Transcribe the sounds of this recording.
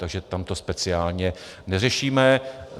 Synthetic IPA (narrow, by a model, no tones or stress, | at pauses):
t̪aɡʒɛt̪amt̪o̞spɛt͡sɪaːlɲɛnɛr̝ɛʃiːmɛ